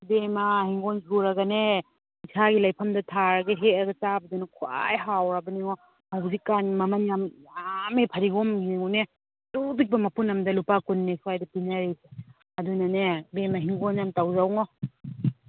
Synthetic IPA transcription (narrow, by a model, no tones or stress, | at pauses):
bemɐhiŋɡonsʰuɾɐɡɐne | isʰaɡilajpʰɐmdɐtʰaɾɐɡɐɦet̚ɐɡɐt͡ʃabɐdunɐkʰwa̰jɦawɾabɐniŋɔ | hawzikːanmɐmɐnjamamepʰɐɾiɡɔmieŋune | tubik̚bɐmɐpunɐmdɐlupakunːesuajdɐpinaɾise | ɐdunɐnebemɐɦiŋɡonjamtawzawŋɔ